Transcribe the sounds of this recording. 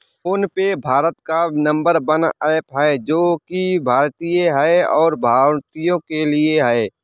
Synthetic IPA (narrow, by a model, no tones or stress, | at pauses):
ʊnpebʱaːɾət̪kanə̃mbəɾbənaːpɦɛed͡ʒoːkibʱaːɾt̪ijeɦɛeɔːɾbʱaːɾt̪ijõkelieɦɛe